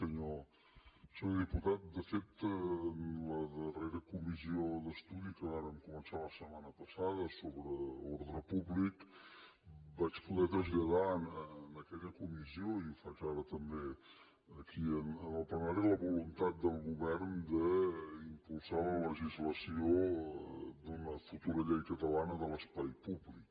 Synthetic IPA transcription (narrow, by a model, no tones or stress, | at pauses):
əɲo | sɛwðiput̪at̪̚d̪əfep̚t̪ənləðəreɾəkumiziod̪əst̪uðikəaɾəmkumənsaləsəmanəpəsað̞əsoβɾəoɾðɾəpuβlik | bat͡ʃpuðɛt̪ɾəzʎəðaənənəkɛʎəkumizioiufat͡ʃaɾət̪əmbe | əkʰiənənəlˠplənaɾiləβulunt̪at̪̚d̪əlˠɣuβɛrnd̪əimpulˠsalələʒizləsio | d̪unəfut̪uɾəʎɛjkət̪əlanəðələspajpuβlik